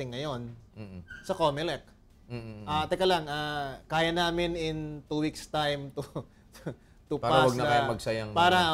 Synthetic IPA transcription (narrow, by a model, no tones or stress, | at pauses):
ɪŋːɐjo̞n̩ | sɐkoːmɛlɛk̩̚ː | ʔaːt̪ɛkɐlɐŋaːkaːjɐnaːmɪnɪnt̪uːwikst̪ajmt̪u | t̪upaɾɐwɐɡnɐkɐjamɐɡsɐjɐŋpaːɾɐ